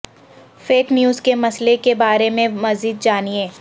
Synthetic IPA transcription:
feːknjuːzkemɐslekebaːɾemẽmɐziːd̪̚d͡ʒaːniẽː

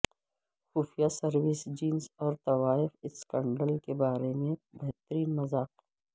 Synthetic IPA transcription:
xuːfijasɐɾwɪsd͡ʒiːnsɔːɾt̪ɐwaːɪfɪskə̃ɳɖəlkebaːɾemẽbɛɦt̪əɾiːnmɐzaːq

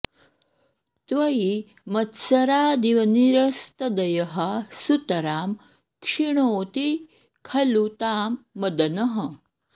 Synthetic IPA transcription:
t̪ʋɐi | mɐt̪sɐɾaːd̪iʋɐniɾɐst̪ɐd̪ɐjɐɦɐsut̪ɐɾaːm | kʂiɳ̃oːt̪i | kʰɐlut̪aːmːɐd̪ɐnɐɦɐ

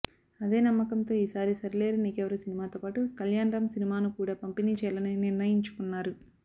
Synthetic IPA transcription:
ɐd̪e̞ːnɐmːɐkɐnt̪o̞ːiːsaːɾisɐɾile̞ːɾuniːkɛʋɐɾusinimaːt̪o̞ːpaːʈukɐljaːnɾɐmsinimaːnukuːɽaːpɐmpiniːt͡ʃɛːjlɐniniɾnɐjiɲt͡ʃu̥kunːaːɾu

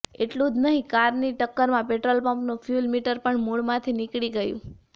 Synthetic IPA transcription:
eʈlũd͡ʒnəɦĩkaɾniʈəkːəɾmãpeʈɾolpəmpnũfʰjulmiʈəɾpəɳmuɭmãt̪ʰinikɭiɡəjṵ̃

